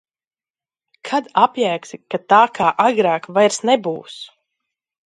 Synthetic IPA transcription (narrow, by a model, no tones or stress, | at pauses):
kʰad̪apjæːksikat̪aːkʰaːʔaɡɾaːkvajɾsnɛbuːs